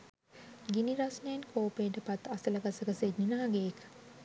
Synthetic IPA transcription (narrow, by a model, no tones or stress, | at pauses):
ɡiniɾasnejenkʰoːpeʈəpat̪asələɡasəɡəsedninaɦaɡeːkə̥